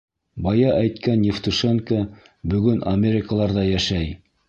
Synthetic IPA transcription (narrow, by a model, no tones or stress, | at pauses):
bɑjɑʔæjt̪kænːɪft̪uʃeŋkə | bɵ̆ɡɵnʔɐmʲeɾʲɪkəlˠɑɾðɑjæʃæj